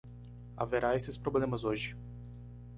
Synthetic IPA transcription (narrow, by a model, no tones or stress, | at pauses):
a̰veɾaesɪspɾoblẽmɐzoʒɪ